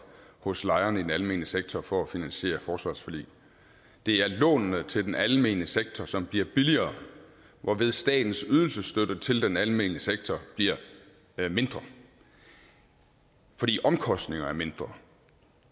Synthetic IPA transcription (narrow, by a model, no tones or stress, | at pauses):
hɔ̽slɑ̈ɪɐnəid̥enælme̝̰ːnəseɡ̥̚t͡sʰɒfɒ̽æfinænɕe̝̰ːɐfɒːsʋɑ̈ːsfælḭː | d̥e̝æɐlɔ̰̽ːnnət͡sʰe̝ld̥enælme̝̰ːnəseɡ̥̚t͡sʰɒsɒ̽mb̥liɐb̥iliɐː | ʋʔɒʋe̝ð̞ˠsd̥ɛ̰ːd̥n̩syð̞ˠl̩səsd̥øɾ̥ət͡sʰe̝ld̥enælme̝̰ːnəseɡ̥̚t͡sʰɒb̥liɐ | me̝nd̥ʁɐ | fɒ̽dḭːʔɒ̽mkʰɒ̽sd̥ne̝ŋɐæɐme̝nd̥ʁɐ